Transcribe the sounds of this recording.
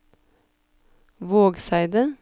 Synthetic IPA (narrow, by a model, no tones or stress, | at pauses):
ʋoːɡsæɪd̪ə